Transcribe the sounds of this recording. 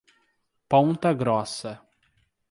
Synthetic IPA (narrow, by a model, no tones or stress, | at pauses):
põnt̪ɐɡɾɔsɐ